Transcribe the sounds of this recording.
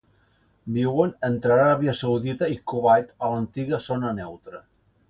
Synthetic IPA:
biwənənt̪ɾaɾɾaβjəsəwðit̪əikuβajt̪ələnt̪iɣəzonənɛwt̪ɾə

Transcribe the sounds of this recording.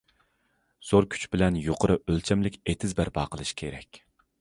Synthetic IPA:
z̥oɾkʲʰy̥t͡ʃbɪlɛnjoqʰəɾɨʔølt͡ʃʰɛmlɪkʲet̪ʰɪzbæɾbɑːqʰəlˠɨʃkʲʰeɾɛ̰kʲ

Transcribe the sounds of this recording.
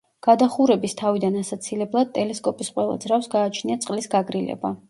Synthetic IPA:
ɡ̥ad̪aχuɾɛbist̪ʰavid̪anasat̪sʰilɛblˠad̪̚t̪ʼɛlɛskʼɔpʼisqʼwɛlˠa̰d̪zɾafsɡaːt͡ʃʰniat̪sʼqʼlisɡaɡɾilɛ̰ba̰

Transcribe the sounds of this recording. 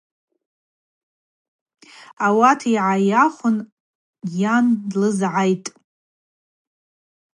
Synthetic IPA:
awatʰiʕajaχʷʊn | jandlɨzʕajtʼ

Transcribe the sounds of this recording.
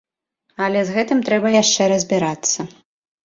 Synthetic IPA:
ɐlʲɛzɣɛt̪ɨmt̪ɾɛbɐjaʂt͡ʂɛɾɐzʲbʲiɾat̪sːɐ

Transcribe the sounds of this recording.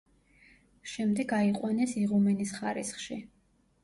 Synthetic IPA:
ʃɛmd̪ɛɡaiqʼwanɛsiʁumɛnisχaɾḭsχʃi

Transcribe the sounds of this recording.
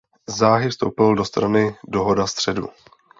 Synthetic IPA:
zːaːɦɪfst̪o̞̰wpɪldo̞st̪ɾanɪdo̞ɦo̞dast̪r̝̥ɛdṵ

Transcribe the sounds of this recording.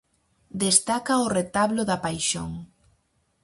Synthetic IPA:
d̪est̪akaoret̪aβloðapajʃo̰ŋ

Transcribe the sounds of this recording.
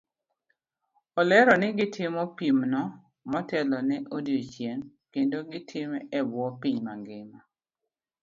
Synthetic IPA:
ɔlɛɾɔnɪɡɪtʰɪmɔpimnɔ | mɔtɛlɔnɛʔodjot͡ʃjeŋ | kendoɡɪtʰɪmɛʔɛbwɔpiɲma̰ɡɪma

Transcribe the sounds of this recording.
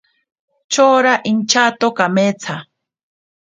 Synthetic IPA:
t͡ʃoːɾaʔint͡ʃat̪okamet͡sʰa

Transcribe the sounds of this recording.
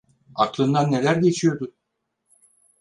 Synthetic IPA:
aklˠɯnd̪anːe̞lʲæɾɟʲe̞t͡ʃʰijo̞ɾd̪u

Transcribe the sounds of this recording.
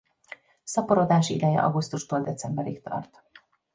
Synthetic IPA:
sɒpoɾo̞d̪aːʃḭd̪ɛjɛ̰ʔɒ̰ɡust̪uʃt̪oːld̪ɛt̪sɛmbɛɾikt̪ɒ̰rt̪

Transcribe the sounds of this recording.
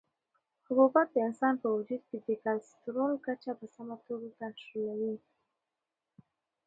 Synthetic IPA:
hʊkubat̪̚d̪əɪnsɑnpəwad͡ʒud̪̚ked̪ekalst̪ɾolkat͡ʃapəsamat̪oɡakanʃolawi

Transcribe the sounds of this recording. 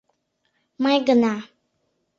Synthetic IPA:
mãjɡəna

